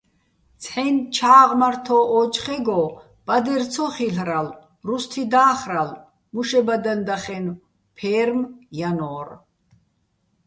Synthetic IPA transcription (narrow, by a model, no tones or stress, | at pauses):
t͡sʰħɛnt͡ʃʰaːʁmart̪ʰɔɔːt͡ʃχɛɡɔ | b̥ʼad̪ɛrt͡sʰɔχiɬɾal | rust̪ʰid̪aːχɾal | muʃɛbad̪and̪aχɛn | pʰɛːɾmjanɔːr